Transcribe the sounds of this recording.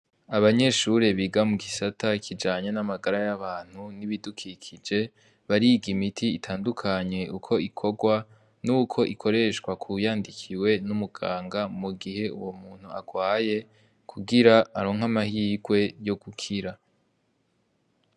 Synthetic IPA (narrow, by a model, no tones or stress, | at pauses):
aβaɲe̞ʃuɾe̞βiɡamuɡisatʰakʰid͡ʒaːɲenamaɡaɾajaβaːn̥huniβidukʰikʰid͡ʒe̞ | βaɾiɡimitʰiːtʰaːndukʰaɲe̞ʔukʰo̞ikʰo̞ɡwa | nuːkʰo̞ʔikʰo̞ɾe̞ʃkwakʰujaːndikʰiwe̞numuɡ̥aːŋɡamuɡiɦe̞ṵwo̞muːn̥hua̰ɡ̥waːje̞ | kʰuɡiɾaːɾo̞ːŋhamahiːɡwe̞jo̞ɡukʰiɾa